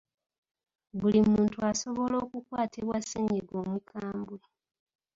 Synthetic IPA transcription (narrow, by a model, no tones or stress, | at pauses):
βulimuːntuaso̞βo̞lo̞ːkukwaːtʰeβwaseɲiɡo̞ːmwikʰaːmbwe